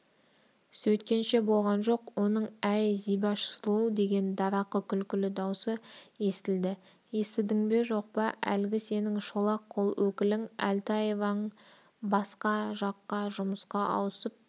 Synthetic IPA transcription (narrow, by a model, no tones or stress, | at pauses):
sɵt̪̚kʲe̞nʃe̞bo̞lˠʁɑnʒo̞qwo̞nəɴæjzijbɑʃslˠud̪e̞ɡʲe̞nd̪ɑɾɑqəkʲʰʏlkʲɪlɪd̪ɑwsəje̞st̪ɪld̪ɪ | je̞st̪ɪd̪ɪŋbe̞ʒo̞q̚pɑʔæ̰lɡʲɪse̞nɪŋʃolˠɑqʰːolˠwɵkʲɪlɪŋæ̰lt̪ɑjevɑnəɴ | bɑsqɑʒɑqːɑʒʊməsqɑʔɑ̰wsəp̚